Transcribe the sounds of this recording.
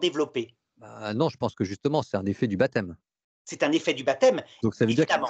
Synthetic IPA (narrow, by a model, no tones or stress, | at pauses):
d̪evlɔpe | banɔ̃ʒəpɑ̃skəʒyst̪əmɑ̃sɛ̥t̪ɛ̃nefɛd̪ybat̪ɛm | sɛt̪ɛ̃nefɛd̪ybat̪ɛmd̪ɔ̃ksavød̪iʁk